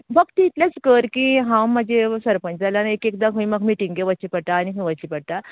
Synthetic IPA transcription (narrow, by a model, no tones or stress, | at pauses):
bəɡt̪iːt̪ljat͡skəɾkiɦãwmad͡ʑesəɾpə̃ɲt͡ɕd͡zalanaekek̚d̪aɦũĩməɡmiʈĩŋɡɡeʋət͡ɕipəɽʈ̪aːñiɦũʋət͡ɕipəɽt̪a